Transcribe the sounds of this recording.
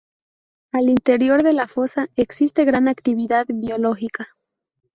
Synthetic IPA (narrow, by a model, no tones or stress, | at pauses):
alint̪e̞ɾjo̞ɾðe̞lafo̞saeksist̪e̞ɣɾanakt̪iβiðaðβjo̞lo̞xika